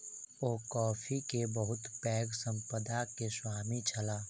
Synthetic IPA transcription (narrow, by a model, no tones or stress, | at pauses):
oːkɔːfʰikebəɦʊt̪pɛːɡsə̃mpəd̪akeswaːmit͡ʃʰəlaː